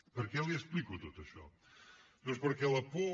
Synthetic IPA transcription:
pɐɾkɛlˠieʃplˠikut̪ot̪ɐʃɔ̰ | mɐ̃ʃpoɾkɛlˠɐpo

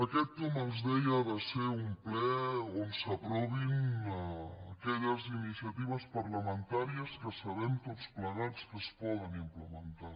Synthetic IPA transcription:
əkɛt̪ːomənzðɛjəβaseumplɛonsəpɾɔβin | əkɛʎəzinisiət̪iβ̞əspəɾləmənt̪aɾiəskəsəβɛnt̪ot͡spləɣat͡skəspɔðənimpləmənt̪a

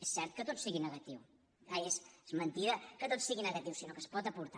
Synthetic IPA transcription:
esɛɾt̪̚kət̪ot̪siɣinəɣɐt̪iw | aeszmənt̪iðəkət̪ot̪siɣinəɣɐt̪iwsinokəspɔt̪əpuɾt̪a

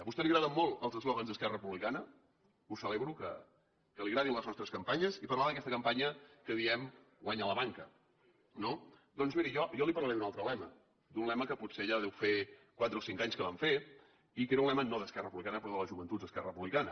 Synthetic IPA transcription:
əβust̪ɛliɣɾaðəmːolˠəlˠzəzlɔɣənzðəskɛrəəpuβlikanə | usəleβɾukə̰ | kəliɣɾaðiəmləznɔst̪ɾəskəmpaɲəzipəɾrlaðəkɛst̪əkəmpaɲəkəðiɛm | ɡwaɲələβaŋkə | nod̪ɔnzmiɾijɔjɔlipərlˠəɾed̪unalˠt̪ɾəlɛmə | d̪unlɛməkəputseʒaðɛwfekwat̪ɾəosiŋkaɲskəβaɱfe | ikeɾəunlɛmənoðəskɛrəpuβlikanəpɾɔðələzʒuβənt̪ut̪̚d̪əskɛrə̰əpuβlikanə̰

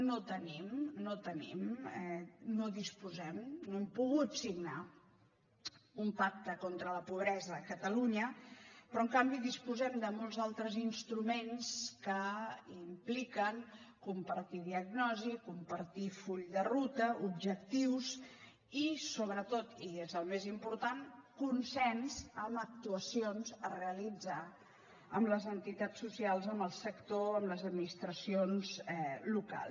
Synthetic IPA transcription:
not̪ənimnot̪ənḭmɛnoðispuzɛmnoɛmpuɣut̪siɡna | umpak̚t̪əkont̪ɾələpuβ̞ɾɛzəːkət̪əluɲəpɾɔəŋkambiðispuzɛmd̪əmolˠzalˠt̪ɾəzinst̪ɾumenskəimplikəŋkumpəɾt̪iðiəɡnɔzikumpəɾt̪ifuʎd̪ərut̪əubʒək̚t̪iws | isoβɾət̪ot̪iezəlˠmezimpuɾt̪ankunsɛnzəmək̚t̪uəsionzəreəlid͡za | əmbləzənt̪it̪at͡sːusialˠzəmbəlˠsəkt̪oəmləzəd̪minist̪ɾəsionzɛluka̰l

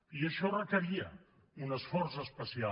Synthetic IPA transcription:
iəʃɔrəkəɾiə | unəsfɔrzəspəsia

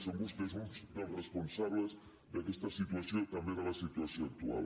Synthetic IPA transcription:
somɡust̪ezmut͡ʃ̪aresponsaβles | d̪ekeest̪asit̪wasjonk̪ambjeɾalasit̪wasjonak̚t̪ua̰l

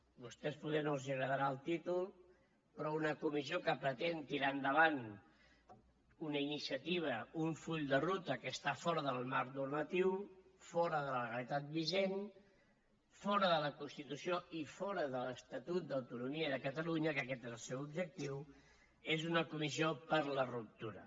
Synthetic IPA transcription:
bust̪ɛspuðɛnolziəɣɾəðəɾaəlˠt̪it̪ulˠ | pɾɔunəkumiziokəpɾət̪ent̪iɾaənd̪əβ̞an | unəinisiət̪iβ̞əuɱfuʎd̪ərut̪əkəst̪afɔɾəðəlˠmarnurmət̪iwfɔɾəðəlləɣəlit̪at̪̚biʒen | fɔɾəðələkunst̪it̪usioifɔɾəðələst̪ət̪ut̪̚d̪əwt̪unumiəðəkət̪əluɲəkəkɛt̪ezəlˠsɛwubʒək̚t̪iw | ezunəkumiziopəɾlərup̚t̪uɾə̰

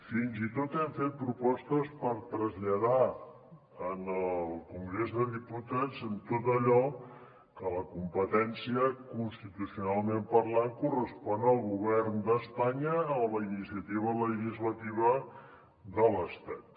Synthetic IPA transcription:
finzit̪ot̪ɛɱfet̪̚pɾupɔst̪əspəɾt̪ɾəzʎəða | ənəlˠkuŋɡɾezðəðiput̪azənt̪ot̪əʎɔ | kələkumpət̪ɛnsiəkunst̪it̪usiunalˠmempərlaŋkurəspɔnəlˠɣuβ̞ɛrnd̪əspaɲəːmləinisiət̪iβ̞ələʒizlət̪iβə | ðələst̪at̪̚

